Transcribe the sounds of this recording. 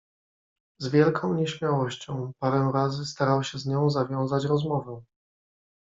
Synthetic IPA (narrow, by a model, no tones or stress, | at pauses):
zvʲjɛlkʰɔ̃w̃ɲɛɕmʲjawɔɕt͡ɕɔ̃w̃paɾɛw̃ɾazɘst̪aɾawɕɛzɲɔ̃w̃zavʲjɔ̃w̃zat͡ɕɾɔzmɔvɛ